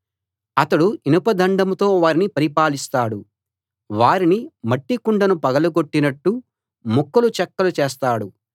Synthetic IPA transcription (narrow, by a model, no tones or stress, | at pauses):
ɐt̪ɐɽuinupɐd̪ʱɐɳɖɐmt̪o̞ːʋaːɾinipɐɾipaːlist̪aːɽu | ʋaːɾinimɐʈːikuɳɖɐnupɐɡɐluɡo̞ʈːinɐʈːu | mukːɐlut͡ʃɛkːɐlut͡ʃeːst̪aːɽu